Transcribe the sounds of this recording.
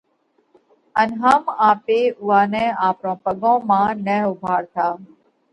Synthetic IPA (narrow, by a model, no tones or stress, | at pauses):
ənɦaːmaːpeːʊaːnɛ̃ːaːpɾõːpəɡõːmãːnɛːʊbʱaːɽt̪ʰaː